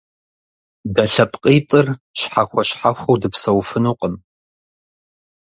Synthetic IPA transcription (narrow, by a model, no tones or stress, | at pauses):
bɐɬɐpʰʼqʼiːtʼɨrɕħaxʷɔɕħaxʷɐwdɨpsɐwfɨnuːqʼəm